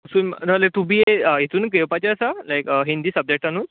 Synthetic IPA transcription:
əsuːnnəlet̪ubʱiːeəɦit̪uːnkepat͡ɕeəsalajkəɦind̪iːsəb̚d͡ʑek̚ʈanuːn

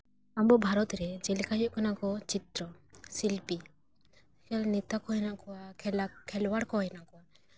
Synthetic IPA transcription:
ambɔbʱaɾɔt̪ɾɛd͡ʒɛlikaɦɔʔkʰanakɔt͡ʃit̪ɾɔsilpi | kalnɛt̪akɔɦɔjnaʔkɔwakʰɛlwaɽkɔɦɔjnaʔkɔwa

